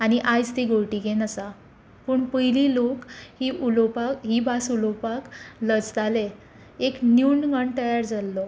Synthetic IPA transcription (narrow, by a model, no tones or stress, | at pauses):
aɽ̃iʔajd͡zt̪iɡoɭʈiɡenəsa | pəɳpəɦililokhiulopaɦibasulɔpakləd͡zd̪ale | eknjunɡəɳt̪əjaɾd͡zalːɔ